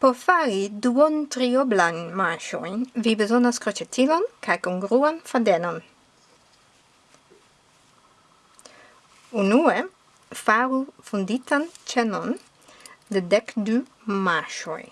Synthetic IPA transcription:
pɔfaɾid̪uɔnt̪ɾiɔblanmaʃɔ̰jnvibəzɔnaskɾɔt͡ʃɛt̪ʰilɔnkʰajkuŋɡɾuanfad̪ɛnan | unue | faɾufund̪it̪ant͡ʃɛnɔn | d̪əd̪ɛkd̪y | maʃɔ̰j

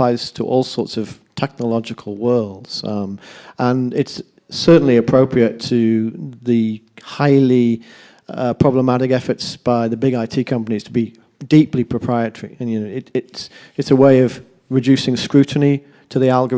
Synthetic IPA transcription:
aɪz̥tʰəʔɔlˠsɔɹtsʌv̥tʰɛk̚nəlɑd͡ʒɨkʰəl̩ˠwɜ˞lˠdz̥ | ʔə̃nɪts | ɜ˞ʔn̩liɨpʰɹ̥oʊpʰɹiɨtʰɨðɨhaɪlˠi | ʌpʰɹ̥ɑbləmaɾɪkɛfə˞tsb̥aɪðɨbɪɡaɪtʰikʰʌ̃mpəniz̥tʰəbi | diˑplipʰɹ̥əpʰɹ̥aɪɨɾʰəɹḭɨ̃njɨnoʊɪɾɪts | ɨtsəweɪʌv | ɹɨd͡ʒʉsɪ̃ŋskɹʉʔn̩i | tʰɨðiælˠɡə

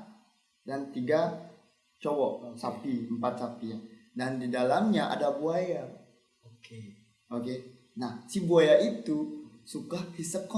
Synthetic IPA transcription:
dant̪iɡa | t͡ʃobɔʔsapiəmpat̪̚sapijadandidalamɲaʔa̰dabuaja | oke | oke | nahsibuajaʔit̪usukahhisəkɔ

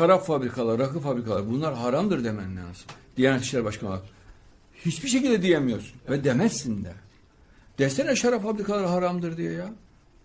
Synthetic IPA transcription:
ʃaɾaffabɾikʰalˠaɾɾakɯfabɾikʰalˠaɾbunlˠaɾɦaɾamd̪ɯɾd̪emɛnːɛsɯ̥nd̪̥ijɛnɛt̪iʃlʲæɾbaʃkʰanɯ̰a̰k | hit͡ʃbiʃ̬ecilʲd̪ɛd̪ijemijo̞ɾsunvɛd̪emɛsːind̪ɛ | d̪̥ɛst̪ɛnɛʃaɾafabɾikʰalˠaɾɯɦaɾamd̪ɯɾd̪ijoja

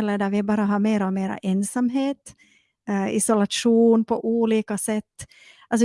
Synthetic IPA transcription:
ɛlːəɖ̪æɾvɪbɑːɾaɦɑɾmeːɾɔmeːɾa̰ʔɛnsamɦeːt̪ | ɪsɔlaʂuːnpʰɔʔuːliːkasɛt̪ː | alsɔ

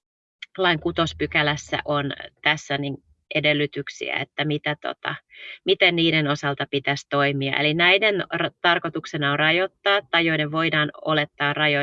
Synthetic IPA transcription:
lɑiŋkut̪ospykælæsːæ̰ʔont̪æsːænin | ede̞lːyt̪yksḭæ̰ḛt̪ːæmit̪æt̪o̰t̪ɑ̰mit̪enniːdeno̞sɑlt̪ɑpit̪æst̪o̞imiɑ̰ʔelinæjdenrt̪ɑrkot̪uksenɑorɑjo̞t̪ːɑːt̪ːɑjoineʋʋo̞jdɑːno̰le̞t̪ːɑːrrɑjo

